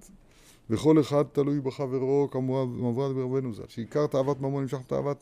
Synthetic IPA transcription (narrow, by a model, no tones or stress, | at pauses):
t | veχo̞le̞χad̪̚t̪alujbeχave̞ʁo̞kamamavʁat̪beʁabenuza̰lʃeikaʁt̪aːvat̪mamonimʃ̬aχbet̪a̰ːa̰vat̪